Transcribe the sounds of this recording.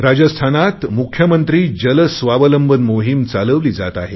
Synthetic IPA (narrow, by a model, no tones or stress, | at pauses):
ɾad͡ʑəst̪ʰanat̪mukʰjəmənt̪ɾiːd͡ʑələsʋaʋələmbənmoɦimt͡saləʋliːd͡zat̪aɦe